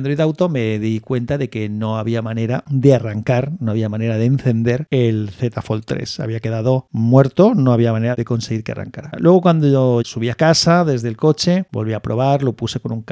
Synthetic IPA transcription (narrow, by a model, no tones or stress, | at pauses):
nd̪ɾojðawt̪o̞me̞ðikwe̞nt̪aðe̞ke̞no̞aβiamãne̞ɾad̪e̞araŋkaɾno̞aβ̞iamãne̞ɾaðen̟θe̞nd̪e̞ɾelθe̞t̪afo̞lt̪ɾe̞̰sa̰βiake̞ðað̞o̞mwe̞ɾt̪onoaβiamãne̞ɾaðe̞ko̞nse̞ɣ̞iɾkea̰ra̰ŋkaɾalwe̞ɣokwand̪oosuβ̞iakasaðe̞zðelko̞t͡ʃebo̞lβiapɾo̞βaɾlo̞puse̞ko̞nuŋk